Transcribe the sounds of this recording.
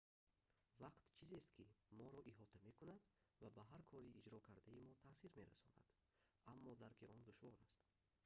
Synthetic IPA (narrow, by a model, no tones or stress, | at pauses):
vaqt̪t͡ʃʰizest̪kʰimɔɾɔʔiɦɔt̪ʰame̞kunad̪vabaɦaɾkʰɔɾiːd͡ʒɾɔkʰaɾd̪aimɔt̪ʰasiɾme̞ɾa̰sɔna̰d̪̥ | amːɔd̪aɾkʰiʔɔnd̪uʃvɔɾast̪